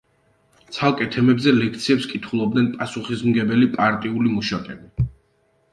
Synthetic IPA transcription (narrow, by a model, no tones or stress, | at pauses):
t̪sʰalˠkʼɛt̪ʰɛmɛbzɛlɛkʰt̪sʰiɛpskʼit̪ʰχulˠɔb̚d̪nɛnpʼasuχismɡɛbɛlipʼaɾt̪ʼiulimuʃakʼɛbi